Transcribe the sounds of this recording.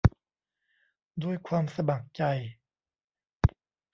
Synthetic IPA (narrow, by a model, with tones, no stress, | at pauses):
d̪u˧˩əjkʰwaː˧msa˧ba˨˩ŋ̚t͡ɕa˧j